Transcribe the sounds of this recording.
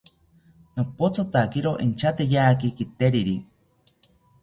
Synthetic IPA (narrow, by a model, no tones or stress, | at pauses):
nopot͡sʰot̪akiɾoʔint͡ʃʰat̪ejaːkikit̪eɾiɾi